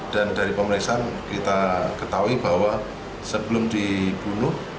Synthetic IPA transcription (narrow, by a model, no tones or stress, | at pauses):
d̥a̤nd̥aɾipəməɾiksaankit̪akət̪auib̥awa | səb̥əlʊmd̥ib̥unʊh